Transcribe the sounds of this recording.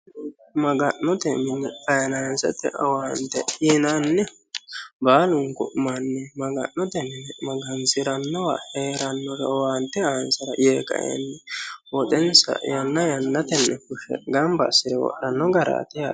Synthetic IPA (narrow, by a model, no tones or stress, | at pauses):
mɐɡɐʔːɔt̪ɛmɪnɛkɐjɐnaːnsɛ̰t̪ːɛ̰ɐwant̪ːɛ̰ɪnanːɛ | baːlʊŋkʊ̰ʔmanːɛmɐɡɐ̰ʔːɔt̪ɛmɪnɛmɐɡɐnsɪɾɐnːɔwa̰heːɾɐnːɔɾɛwaːnt̪ːɛaːnsɐɾɐjeːkɐ̰ʔɛ̰nːɛwɔt̪ʼɛnsɐ̰jɐnːɐjɐnːɐt̪ɛnːɛkʊʃɛ̰ɡɐmbɐsɪd̪ɛwɔ̰ɗɐnːɔɡɐɾa̰ːt̪ɪja